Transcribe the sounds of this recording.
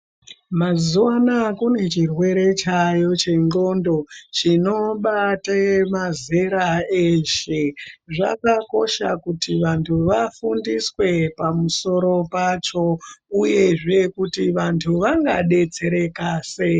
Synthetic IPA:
mazuanakune̞t͡ʃirwe̞ɾe̞t͡ʃajo̞t͡ʃe̞ŋɡo̞ndo̞t͡ʃino̞ɓatemazeɾaeʃeʐa̰kako̞ʃa̰kutiʋantʰuʋafundiswe̞pamuso̞ɾo̞pat͡ʃo̞uje̞ʐe̞kutiʋantʰuʋaŋɡa̰ɗe̞t͡se̞ɾe̞kase

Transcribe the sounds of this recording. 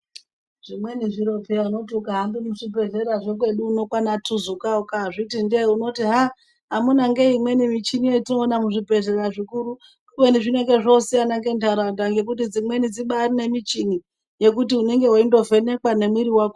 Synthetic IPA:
ʐimweniʐiɾo̞pʰeano̞tiukaɦambimuʐipe̞ɮeɾaʐekwe̞ɗuːno̞kwanatʰuzukaukaʐitindeuno̞tiɦa | ɦamunaŋɡeimwe̞nimit͡ʃinijetino̞ːnamuʐipe̞ɮeraʐikuɾu | kumweniʐine̞ŋɡe̞ʐosianaŋɡe̞ntaɾandaŋɡe̞k̬utid͡zimwe̞nid͡ziɓarine̞mit͡ʃini | je̞kutiune̞ŋɡe̞waindo̞ve̞ne̞kwane̞mwiɾiwako

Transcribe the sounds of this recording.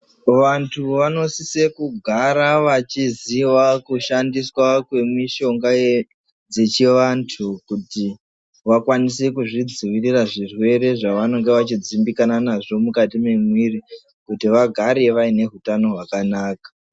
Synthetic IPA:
ʋantʰuʋano̞sise̞kuɡʱaɾaʋat͡ʃiziwakuʃandiswakwe̞miʃo̞ŋɡaje | d͡ze̞t͡ʃiʋantʰukuti | ʋakwanisekuʐid͡ziʋiriraʐirwe̞ɾe̞ʐaʋano̞ŋɡeʋat͡ʃid͡zimbikananaʐo̞mukatime̞mwiri | kutiʋaɡʱaɾe̞ʋaine̞ɦutano̞ɦwakanaːkḁ

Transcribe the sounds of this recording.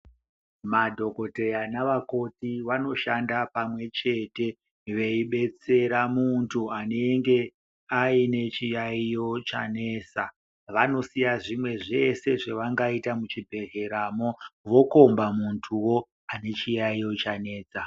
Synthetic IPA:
madʱo̞ko̞te̞anaʋako̞tiʋano̞ʃandapamwe̞t͡ʃe̞te̞ | ʋe̞iɓe̞t͡se̞ɾamuntʰuane̞ŋɡe̞ | aine̞t͡ʃijaijo̞t͡ʃane̞ːsa | ʋano̞sijaʐimwe̞ʐe̞se̞ʐeʋaŋɡaitamut͡ʃibʱe̞ɣe̞ɾaːmo̞ʋo̞ko̞mbamuntʰuwo̞ | ane̞t͡ʃijaijo̞t͡ʃane̞ːt͡sa

